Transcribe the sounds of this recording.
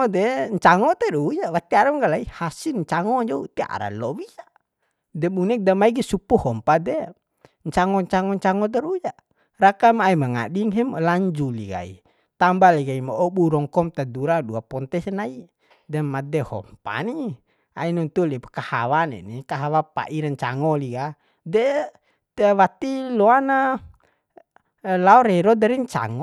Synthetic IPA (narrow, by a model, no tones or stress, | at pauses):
ɔdɛɲt͡ʃaŋɔt̪ɛɾuujawat̪iaɾamŋɡalaihasilɲt͡ʃaŋɔɲd͡ʒɔut̪ia̰ɾa̰lɔwia | dɛbunɛk̚damaiɡɛsupuhɔmpadɛ | ɲt͡ʃaŋɔɲt͡ʃaŋɔɲt͡ʃaŋɔt̪̬ɛɾuja | rakamaimaŋa̰ɗiŋɦɛmlaɲd͡ʒuliɡa̰ḭ | t̪ambaliɡaimaɔɓuɾɔŋkɔmt̪ad̪uɾaduapɔnt̪ɛsnai | dɛmad̪ɛhɔ̰mpa̰ni | a̰inunt̪ulipkaha̰wanɛ̰nikaɦawapa̰ʔiɾaɲt͡ʃa̰ŋɔliɡa | dɛ | t̪wat̪ilɔana | laɔɾɛɾɔdaɾiɲt͡ʃa̰ŋɔ